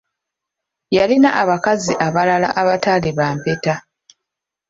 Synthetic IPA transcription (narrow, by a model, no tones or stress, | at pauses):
jalinaʔaβakaziʔaβalala̰ʔaβataliβaːmpeta